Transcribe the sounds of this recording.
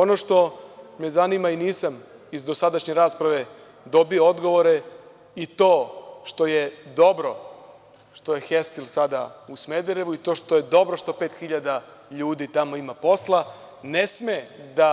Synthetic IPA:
o̞no̞ʃt̪o̞mezanimainiːsamizd̪o̞sad̪aʃɲe̞ɾaːspɾaʋe̞ | d̪o̞bioo̞d̪ɡo̞ʋo̞ɾe̞ | it̪o̞ːʃt̪o̞je̞d̪o̞bɾo̞ | ʃt̪ojexest̪ilˠsad̪ausme̞d̪eɾe̞ʋuit̪o̞ːʃt̪oje̞d̪o̞bɾo̞ʃt̪o̞pe̞ːt̪xiʎad̪a | ʎuːd̪it̪amo̞imapo̞slˠa | ne̞smed̪a

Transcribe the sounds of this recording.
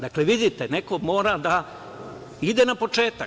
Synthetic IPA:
d̪akle̞ʋid̪it̪ene̞ko̞mo̞ːɾad̪a | id̪e̞napo̞t͡ʃe̞ːt̪a

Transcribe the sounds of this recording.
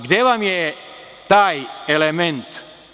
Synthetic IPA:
ɡd̪jeʋamje | t̪aːjelemẽnt̪

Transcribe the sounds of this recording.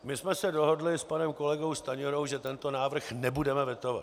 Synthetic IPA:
mɪsmɛsɛdo̞ɦodlɪspanɛmko̞lɛɡo̞wst̪aɲoɾowʒɛt̪ɛnt̪o̞naːvr̩xnɛbudɛmɛvjɛt̪ova̰t̪

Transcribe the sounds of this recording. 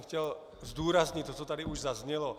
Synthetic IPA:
xcɛl | zd̪uːɾazɲict̪ːɔt̪ɔt̪ad̪iuʒzazɲɛlɔ

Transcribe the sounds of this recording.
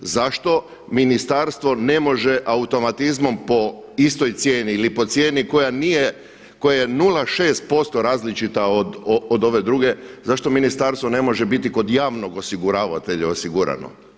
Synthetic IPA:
zaʃt̪o̞ | minist̪aɾst̪ʋo̞ne̞mo̞ʒe̞ʔaut̪o̞mat̪izmo̞mpo̞ist̪o̞jt̪sje̞ːniilipo̞t̪sje̞ːniko̞janije | ko̞jaje̞nulˠaʃe̞ːst̪̚po̞st̪o̞ɾaːzlit͡ʃit̪aod̪ood̪o̞ʋe̞d̪ɾuːɡe̞zaʃt̪o̞minist̪aɾst̪ʋo̞ne̞mo̞ʒebit̪iko̞d̪jaːʋno̞ɡo̞siɡuɾaːʋa̰t̪e̞ʎao̞siɡuɾa̰no̞̰

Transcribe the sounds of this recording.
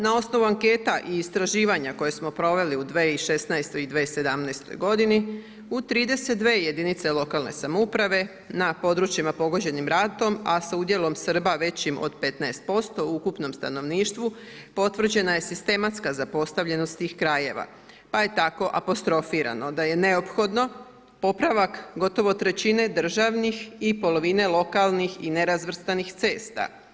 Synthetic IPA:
nao̞sno̞ʋuaŋke̞ːt̪aʔiːst̪ɾaʒiːʋaɲako̞je̞smo̞pɾo̞ʋe̞liud̪ʋeːiʃe̞snaest̪o̞jid̪ʋeːse̞d̪amnaest̪o̞̰jɡo̞d̪ini | ut̪ɾiːd̪e̞set̪̚d̪ʋe̞ːjed̪init̪se̞lo̞kalne̞̰samoupɾaʋe̞ | napo̞d̪ɾut͡ʃimapo̞ɡo̞d͡ʑe̞nimɾat̪o̞masaud̪je̞lˠo̞msr̩baʋe̞t͡ɕimʔo̰d̪pe̞t̪naest̪̚po̞st̪o̞uukupno̞mst̪ano̞ʋniːʃt̪ʋu | po̞t̪ʋr̩d͡ʑe̞naje̞sist̪e̞mat̪skazapo̞st̪aʋʎe̞nost̪t̪iːxkɾaje̞ʋa̰ | paje̞t̪ako̞ʔapo̞st̪ɾo̞fiɾa̰no̞d̪aje̞ne̞o̞pxo̞d̪no̞ | po̞pɾaʋakɡo̞t̪o̞ʋo̞t̪ɾe̞t͡ɕine̞d̪r̩ʒaʋnixipo̞lo̞ʋine̞lˠo̞kalˠnixine̞ɾazʋr̩st̪anixt̪se̞ːst̪a̰

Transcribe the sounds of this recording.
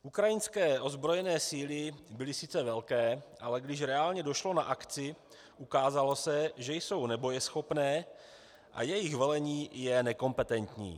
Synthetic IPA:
ʔukɾajɪnskɛːʔo̞zbɾo̞jɛnɛːsiːlɪbɪlɪsɪt͡sɛvɛlkɛːʔalɛɡdɪʃɾɛaːlɲɛdo̞ʃlo̞naʔakt͡sɪ | ʔukaːzalo̞sɛʒɛjso̞wnɛbo̞jɛsxo̞pnɛː | ʔa̰jɛjɪxvɛlɛɲiːjɛnɛko̞mpɛt̪ɛnt̪ɲḭː

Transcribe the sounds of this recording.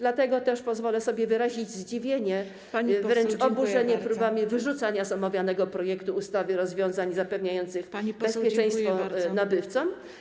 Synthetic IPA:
d̪lat̪ɛɡɔt̪ɛʂpɔzvɔlɛsɔbʲjɛvɘɾaʑid͡ʑzd͡ʑivʲjeɲɛ | avɾɛnt͡ʂɔbuʐɛɲɛpɾubamʲivɘʐut̪saɲazamavʲjanɛɡɔpɾɔjɛkt̪uːst̪avɘɾɔzvʲjɔ̃w̃zaɲzapɛvɲajɔnt̪sɘxbbɛspʲjɛt͡ʂɛ̃j̃st̪fɔnabɘft̪sɔm

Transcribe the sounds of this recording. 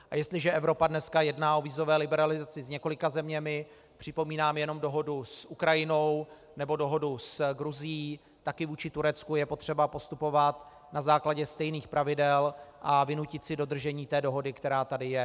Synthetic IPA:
ʔʔajɛst̪lɪʒɛʔɛvɾo̞padnɛskajɛdnaːʔo̞viːzo̞vɛːlɪbɛɾalɪzat͡sɪzɲɛko̞lɪkazɛmɲɛmɪ | pr̝̥ɪpo̞miːnaːmjɛno̞mdo̞ɦo̞dusʔukɾajɪno̞w | nɛbo̞do̞ɦo̞dusɡɾuzɪjiː | t̪akɪvuːt͡ʃɪt̪uɾɛt͡skujɛpo̞t̪r̝̥ɛbapo̞st̪upo̞vat̪ | nazaːklaɟɛst̪ɛjniːxpɾavɪdɛlʔavɪnucɪt̪sɪdo̞d̪r̩ʒɛɲiːt̪ɛːdo̞ɦo̞dɪkt̪ɛɾaːt̪adɪjɛ

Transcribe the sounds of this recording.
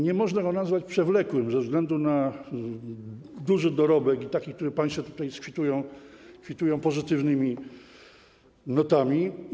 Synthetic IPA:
ɲɛmɔʐnaɡɔnazvat͡ɕpʂɛvlɛkwɘmzɛvzɡlɛnd̪una | d̪uʐɘd̪ɔɾɔbɛkit̪akʲik̚t̪uɾɛpãj̃st̪fɔt̪u̥t̪ajskfʲit̪ujɔ̃w̃kfʲit̪ujɔ̃w̃pɔzɘt̪ɘvnɘmʲi | nɔt̪amʲi

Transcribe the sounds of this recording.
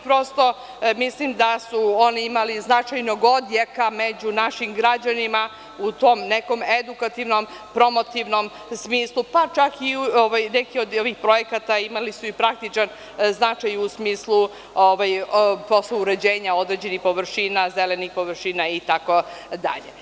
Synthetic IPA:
pɾo̞st̪o̞ | mislimd̪asuo̞niimaliznat͡ʃajnoɡo̞d̪je̞kame̞d͡ʑunaʃimɡɾad͡ʑanima | ut̪o̞mneko̞me̞d̪ukat̪iʋno̞m | pɾo̞mo̞t̪iʋno̞m | smiːslˠupat͡ʃakioʋajnekio̞d̪o̞ʋixpɾo̞je̞kat̪aimalisuipɾak̚t̪it͡ʃan | znat͡ʃajusmiːslˠu | oʋajpo̞sleuɾe̞d͡ʑe̞ːɲao̞d̪ɾed͡ʑe̞nixpo̞ʋr̩ʃinazelenixpo̞ʋɾʃinait̪ako̞d̪a̰ʎḛ

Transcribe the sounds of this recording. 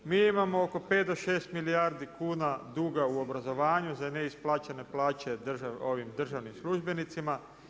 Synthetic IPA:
miːimamo̞oko̞pe̞ːt̪d̪o̞ʃe̞ːst̪milijaːɾd̪ikuːnad̪uːɡauo̞bɾazo̞ʋaːɲuzaneisplˠaːt͡ɕene̞plaːt͡ɕe̞d̪ʒaoʋimd̪r̩ʒaʋnimslˠuʒbe̞nit̪sima

